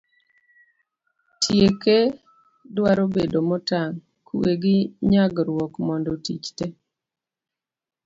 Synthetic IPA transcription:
tʰjeke | dwaɾobedomɔtaŋ | kʰuweɡɪɲaɡɾwɔkmɔndɔtit͡ʃte

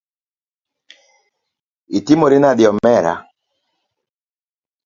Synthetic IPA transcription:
itimoɾɪnadjɔmɛɾa̰

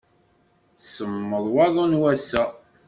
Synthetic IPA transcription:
səmːəðˤwɑðˤɑnwæsæ

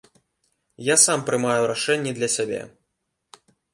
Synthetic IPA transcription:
jasampɾɨmajuɾaʂɛnʲːid̪lʲɐsʲabʲɛ̰

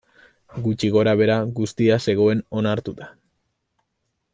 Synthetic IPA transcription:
ɡut͡ʃiɣ̞o̞ɾaβ̞e̞ɾaɣust̪iase̞ɣ̞o̞e̞no̞naɾt̪ut̪ḁ

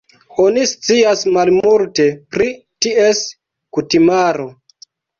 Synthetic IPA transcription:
o̞nist͡siasmalmulte̞pɾi | tie̞s | kutimaɾo̞

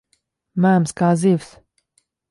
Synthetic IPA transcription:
mæːmskaːziːws

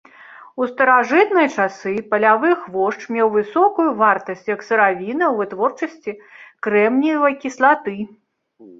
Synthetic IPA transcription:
ust̪ɐɾaʐɨt̪nɐjɐt͡ʂasɨpɐlʲavɨxvɔʂt͡ʂmʲɛwvɨsɔkujuvart̪ɐsʲt͡sʲjɐksɐɾavʲinɐwvɨt̪vɔrt͡ʂɐsʲt͡sʲikɾɛmnʲivɐjkʲislˠat̪ɨ

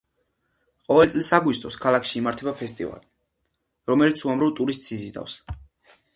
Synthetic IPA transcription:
qʼɔvɛlt̪sʼlisaɡwist̪ʼɔskʰalˠakʰʃiːmaɾt̪ʰɛbapʰɛst̪ʼḭva̰li | ɾɔmɛlit̪sʰuamɾavt̪ʼuɾist̪ʼsizid̪a̰fs

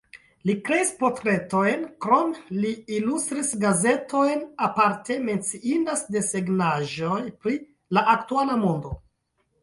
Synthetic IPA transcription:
likɾe̞ispo̞ɾtɾe̞to̞jnkɾo̞mliːlust̪ɾisɡaze̞tʰo̞jnapaɾte̞me̞nt͡siindasde̞seɡnaʒojpɾi | laʔaktualamo̞ndo̞

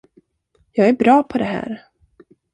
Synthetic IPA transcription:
jɑːɡæɾbɾɑːpʰɔd̪ɛɦæ̰ːɾ

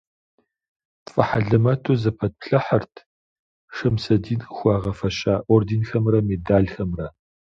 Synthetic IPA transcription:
fʼɐħaɮɐmɐtʰozɐpʰɐt̚pɬɐħɐrtʰ | ʂɐmsɐdiːnxʷɑːʁɐfɐɕʼaːʔordinxɐmrɐmeːdaːɮxɐmrɐ

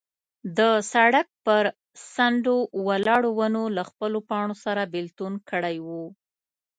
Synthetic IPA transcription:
d̪əsaɽak̚pəɾ | saɳɖowalɑɽowanolaxpəlopɑɳ̃osaɾabɪlt̪unkəɽajwu

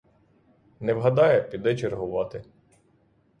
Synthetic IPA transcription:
nɛʋɦɐd̪ɑjɛpʲid̪ɛt͡ʃeɾɦʊʋɑt̪ɪ

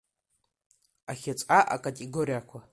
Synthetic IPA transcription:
axʲat͡sʷʼaʔa̰kʼatʼeɡoɾijakʷʰa

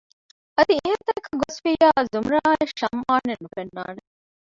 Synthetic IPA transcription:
ʔɐd̪ieɦɐt̪ɐkːɐɡosfijaːzumɾaːeʃɐmʔaːnːenːufenːa̰ːne

